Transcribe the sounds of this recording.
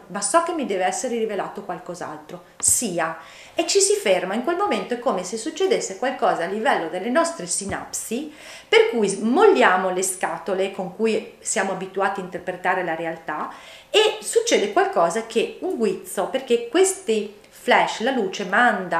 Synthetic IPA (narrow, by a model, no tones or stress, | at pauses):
masɔkːemːid̪ɛːveɛsːeɾerivelaːt̪okwalkɔza̰lt̪ɾo | siːa | et͡ʃːisifermaiŋkwelmoment̪oɛkːoːmesesut͡ʃːed̪esːekwalkɔːzaːlːivɛlːod̪elːenɔst̪ɾesina̰psi | perkujmolːjaːmoleskat̪olekoŋkujsjaːmoabit̪uaːt̪iaint̪erpɾet̪aːɾelaɾealt̪a | esut͡ʃːeːd̪ekwalkɔːzakʰeuŋɡwit̪soperkekwest̪i | flɛʃlaluːt͡ʃemand̪a